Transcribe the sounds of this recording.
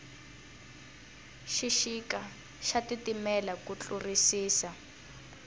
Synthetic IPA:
ʃiʃika | ʃatitimɛlakut͡ɬʼurisiːsa

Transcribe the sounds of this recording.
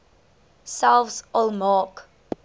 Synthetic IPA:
salfsɔlmɑːk

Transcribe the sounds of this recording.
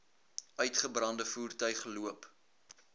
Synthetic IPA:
œɥtχəbrɐndəfuːrtœɥχəluəp

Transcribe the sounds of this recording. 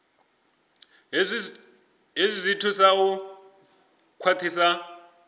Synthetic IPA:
ɦizʷizʷitʰusaʊ | kʰwatʰisa

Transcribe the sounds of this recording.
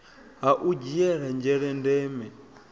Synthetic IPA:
ɦaʔud͡ʒiɛɾand͡ʒɛɺɛndɛːmɛ

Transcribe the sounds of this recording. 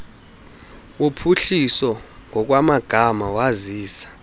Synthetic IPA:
wupʰuɬisɔŋʱɔk̬wamaɡ̥ʱamawaziːsḁ

